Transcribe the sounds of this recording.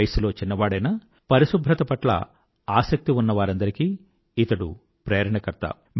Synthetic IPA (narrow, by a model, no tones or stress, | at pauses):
jɐsulo̞ːt͡ʃinːɐʋaːɽɐjnɐ | pɐɾisubʱɾɐt̪ɐpɐʈlɐ̰ | aːsɐk̚t̪iunːɐʋaːɾɐnd̪ɐɾikiː | t̪ɐɽu | pɾeːɾɐɳɐkɐɾt̪ɐ̰ | b